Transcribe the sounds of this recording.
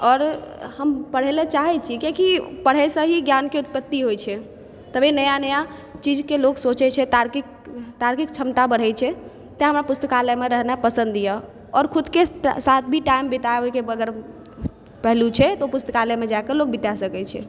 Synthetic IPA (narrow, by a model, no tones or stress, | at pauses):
ɔɾhəmpəɽ̤elet͡ʃaɦɛt͡ʃʰikekipəɽ̤ɛsə̃ɦiɡjankeut̪̚pət̪ːiɦojt͡ʃʰɛ | t̪əbʱenəjanəja | t͡ʃid͡ʒkeloksot͡ʃɛt͡ʃʰɛt̪aɾkik | t̪aɾkik̚t͡ʃʰəmt̪abəɽ̤ɛt͡ʃʰɛ | t̪aɦəmɾapust̪əkaləmeɾəɦnapəsə̃nd̪ijə | ɔɾkʰud̪kesat̪̚ʰbʱiʈaimbit̪aeɦoikeəɡəɾ | pɛɦlut͡ʃʰɛt̪opust̪əkaləmed͡ʒaekəlok̚bit̪asəkɛt͡ʃʰɛ̰